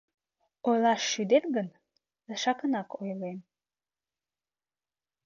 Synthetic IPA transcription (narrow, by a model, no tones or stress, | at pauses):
ojlˠɑʃːyd̪et̪ɡən | d̪əʃɑkənɑkojlem